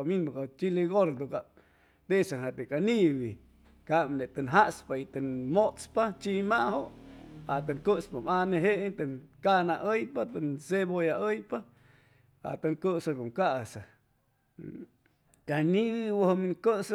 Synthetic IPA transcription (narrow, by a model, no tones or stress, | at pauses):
aminbakat͡ʃiliɡoɾd̪uka | t̪esahat̪ekaniβi | kamnet̪ənɦaʔspait̪ənmot͡spat͡ʃimahoʔat̪aŋkəspamaneɦeʔt̪əŋkanaʔəjpat̪ənsebojaʔəjpa | a̰t̪aŋkəsakoŋkaʔsa | kaniβiwəhəmiŋkəs